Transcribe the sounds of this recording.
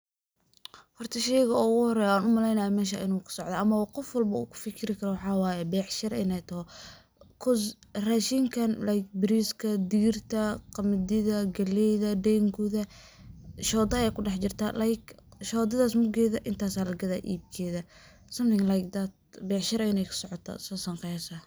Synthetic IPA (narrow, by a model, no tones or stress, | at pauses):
hɔrt̪ʰɐʃɛjɣɐɔʊɣʊhɔɾɛːjaːnʊmɐlɛjnɐjɔmɛːʃ̬a̰ːʔɪnuːkʰɐ̥sɔʕd̪ɐːʔɐmɐwqɔfwɐlbɐṵːkʰʊ̥fɪkʰɪɾɪkʰɐɾɔwɑħɑːwɑːjɛbɛːʕʃɐɾɪ̰nɛjt̪ʰɐɦɔ | kʰʊsraːʃiːŋkʰɐnlajk̚bɪɾiskʰɐd̪ɪɣɪrt̪ʰɐqɑmɪd̪ɪðɐɡɐlɛjðɐd̪ɛːŋkʰʊðɐ | ʃɔːd̪ɐjɛkʰʊɖɑħt͡ʃɪrt̪ʰa̰lʔajk | ʃɔːd̪ɐðaːsmʊɡɛːðɐʔɪnt̪ʰaːsaːlɐɡɐðaːʔḭːb̚kʰɛːðɐ | sɐmθɪŋlajkd̪at̪̚bɛːʕʃɪɾɐɪnɛjkʰɐ̥sɔʕɔt̪ʰɐ̰sɐsɐŋqɛsɐ